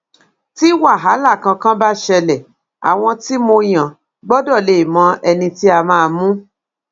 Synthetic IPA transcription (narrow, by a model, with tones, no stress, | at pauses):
ti˦wa˦˨ɦa˨˦la˦˨kã˧kã˦ba˦ʃɛ˧lɛ˨ | a̰˨w̃ɔ̃˧ti˦mo˧j̃ã˨ | ɡ͡bɔ˦dɔ˦˨le˨mɔ̃˨˧˦ʔɛ˧nĩ˧ti˦a˧mãː˦˧mũ˦